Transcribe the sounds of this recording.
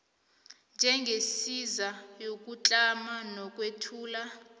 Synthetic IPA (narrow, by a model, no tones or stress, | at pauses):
nd͡ʒʱɛŋɡʱesizajok̬ʼut͡ɬʼamanɔk̬ʼwetʰuːla